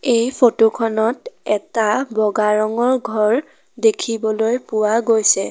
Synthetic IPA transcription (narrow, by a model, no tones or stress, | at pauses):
ejpʰotokʰɔnɔtɛtabɔɡaɹɔŋɔɹɡʱɔɹ | dekʰibɔlojpʊwaɡojsɛ